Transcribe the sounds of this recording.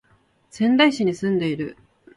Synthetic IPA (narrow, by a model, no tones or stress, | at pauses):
sẽ̞nd̪aiɕiɲ̟isɨ̃nd̪e̞iɾɯ̟̰